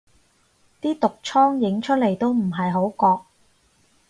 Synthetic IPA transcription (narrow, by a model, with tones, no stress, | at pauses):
t̪iː˥t̪ʊ˨k̚t͡ʃʰɔː˥ŋjɪ˨˧˥ŋt͡ʃʰɵ˥t̚le˨˩jt̪o˥wm̩˨˩ɦɐ˨jɦo˨˥wkɔː˧k̚